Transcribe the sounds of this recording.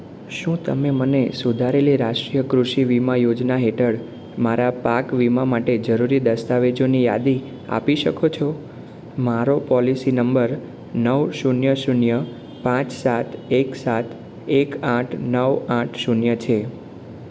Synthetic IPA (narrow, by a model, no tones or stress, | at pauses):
ʃũt̪ə̰memənesud̪ʱaɾeliɾaʃʈɾijəkɾuʃiʋimajod͡ʒnaɦeʈʰəɽ | maɾapakʋimamaʈed͡ʒəɾuɾid̪əst̪aʋed͡ʒonija̰d̪i | a̰piʃəkʰot͡ʃʰɔ | maɾopɔlisinəmbəɾ | nəʋʃunjəʃunjə | pãt͡ʃsat̪ʰeksat̪ʰ | ekãʈʰnəʋãʈʰʃunjət͡ʃʰe